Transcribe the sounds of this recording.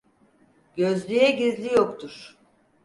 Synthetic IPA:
ɟøzlʲyjɛɟizlʲijokt̪ʰuɾ̥

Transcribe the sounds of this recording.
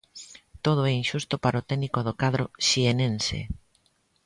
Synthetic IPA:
t̪oð̞oɛinʃust̪ʊpaɾaot̪ɛnikoðokaðɾoʃienensḛ

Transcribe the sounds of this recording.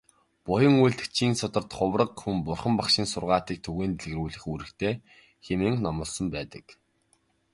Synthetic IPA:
pʊjə̆ŋujɮt̪ɘ̥̆t͡ɕʰiːŋsʊt̪ə̆rt̪χʊwrə̆qxumpʊrχə̆mpaχʃɪ̆ːnsʊrʁaːt̪iːk̚t̪ʰɵɣeːnt̪ɮɘ̆ɣɘrujɮɘ̆xuɾɘ̆kt̪ʰeː | xemɘ̆ŋnɔmɞ̆ɮsɞ̆mpæːt̪ə̥̆k

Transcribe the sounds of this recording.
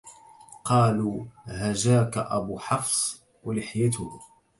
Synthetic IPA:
qɑːluːhaʒaːkaʔabʊħɑfsˤ | walɪħjat̪ʊh

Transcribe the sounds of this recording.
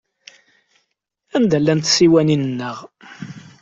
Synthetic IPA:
ænd̪ælːænt̪siwæninənːəʁ

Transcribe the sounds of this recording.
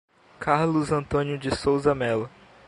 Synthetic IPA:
kʰaɾlʊzɐ̃nt̪õnijʊd͡ʒɪsowzɐmɛlɐ

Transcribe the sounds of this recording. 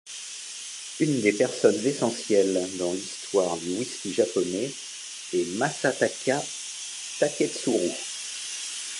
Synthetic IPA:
ynd̪epɛʁsɔnzesɑ̃sjɛld̪ɑ̃list̪waʁd̪ywiskʲiʒapɔnɛ | ɛmasat̪aka | t̪akʲɛt̪suʁu

